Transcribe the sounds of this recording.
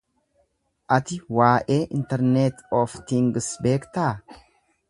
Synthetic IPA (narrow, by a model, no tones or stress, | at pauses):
ʔɐt̪ɪwaːʔeːʔɪnt̪ɛɾnet̪ɔft̪ɪŋɡsbe̞ːkt̪aː